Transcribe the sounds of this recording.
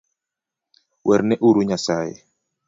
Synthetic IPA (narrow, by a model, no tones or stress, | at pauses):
wʔɛɾnɛʔuɾuɲasajɛ̰